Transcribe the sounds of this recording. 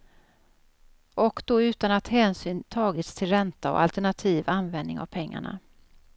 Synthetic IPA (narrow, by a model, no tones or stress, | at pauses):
ʔɔkd̪ɔʉ̟ːt̪anat̪hɛːnsyːnt̪ʰɑːɡɪt̪st̪ʰɪlɾɛnt̪aɔ̰ʔa̰lt̪ɛɳat̪ʰiːvanvɛnd̪nɪ̰ŋa̰v̥pʰɛŋːa̰ɳa̰